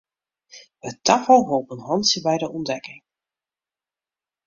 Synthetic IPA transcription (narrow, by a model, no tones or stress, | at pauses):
ətafəlˠɦoːpənɦɑntsjəbɛjdəɔndɛkɪŋ